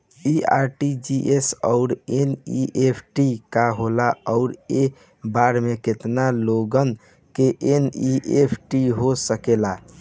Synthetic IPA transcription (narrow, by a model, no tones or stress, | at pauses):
iaɾʈid͡ʒiʔesɔʊɾeniʔepʰʈikaɦolaɔʊɾe | baɾmeket̪naloɡən | keʔeniʔepʰʈiɦosəkela